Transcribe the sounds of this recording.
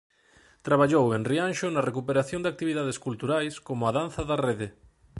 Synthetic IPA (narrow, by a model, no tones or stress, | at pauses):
t̪ɾaβ̞aʎowenrianʃonɐrekupeɾaθjõnd̪ak̚t̪iβiðaðeskult̪uɾajskomʊaðan̟θɐðareðe